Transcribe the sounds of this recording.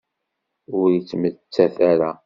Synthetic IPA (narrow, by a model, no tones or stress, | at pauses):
ʊɾjət͡sːmət͡sːæθæɾa